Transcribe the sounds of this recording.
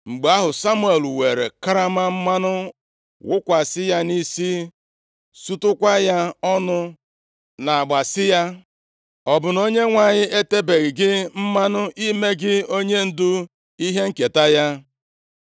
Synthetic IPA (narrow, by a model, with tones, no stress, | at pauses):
ŋ͡m̩˨ɡ͡ba˦ɦʊ˨sa˦mu˦e˨lwe˨ɾḛ˨ka˦ɾa˦ma˦m̩˦ma˦nʊ˦ | wʊ˦kʷa˨sɪ˦ja˦ni˦si˦ | su˦tʊ˦kʷa˦ja˦ɔ˦nʊ˦ | na˨a˨ɡ͡ba˨sɪ˦ja˦ | ɔ˨bʊ˨no˦ɲe˦ŋʷa˨ɲɪ˦e˦te˦be˨ɣɪ˨ɡɪ˦m̩˦ma˦nʊ˦ʔi˦me˦ɡɪ˦o˦ɲe˦n̩˦dʊ˦ | i˦ɦe˦ŋ̩˦ke˨ta˦ja˦